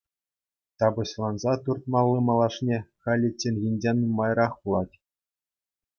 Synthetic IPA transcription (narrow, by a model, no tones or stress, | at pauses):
t̪ɑbɤ̆ɕlˠɑnzɑt̪urt̪̚mɑlˠːɯmɑlˠɑʂnʲeχɑlʲĕt͡ɕʲːenʲɣʲinʲd͡ʑʲenʲumːɑjrɑχpulˠɑtʲ